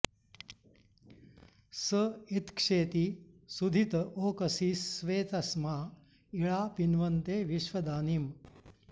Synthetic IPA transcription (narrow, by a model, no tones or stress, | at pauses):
səit̪kʂeːt̪i | sud̪ʱit̪ɐʔoːkɐsisʋeːt̪ɐsmaː | iɭaːpinʋɐnt̪eːʋiʃʋɐd̪aːnim